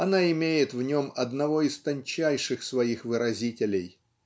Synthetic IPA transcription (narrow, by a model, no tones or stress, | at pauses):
ɐnaɪmʲejɪt̪vnʲo̞mɐd̪nɐvo̞ɪst̪ɐnʲt͡ɕæjʂɨxsvɐixvɨɾɐzʲitʲɪlʲɪj